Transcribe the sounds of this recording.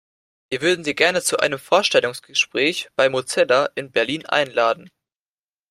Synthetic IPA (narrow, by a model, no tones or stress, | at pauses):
viːɐvʏɐdn̩ziːɡɛɐnət͡suʔa̰ɪnəmfoːɐʃtɛlʊŋsɡ̥əʃpʁ̥ɛːçb̥aɪmot͡sɛlaʔɪnbɛɐliːnʔa̰ɪnlaːdn̩